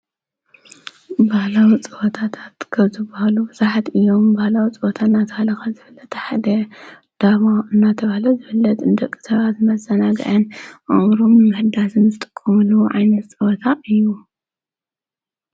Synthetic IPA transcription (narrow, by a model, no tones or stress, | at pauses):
bahlawit͡sʼɨwɔt̪ʰat̪ʰḁt̪kʰɐβzɨbɐhalubɨzaħat̪ɨjːo̞mbahlawit͡sʼɨwɔt̪ʰanːat̪ʰɐhalɐxazɨfɨlːɐt̪ħad̪ɐ | d̪̥aβaɨnːat̪ʰɐβahlɐzɨfɨlːɐt̪ɨnd̪ɐkʼːi̥sɐβat̪mɐzɐnaɡɐ̰ʕɐnʔaɾomɨmɨhɨd̪asɨnzɨt̪ʼɨkʼːɐmɨluwoʕajnɐt̪t͡sʼɨwɔt̪ʰaɨjːu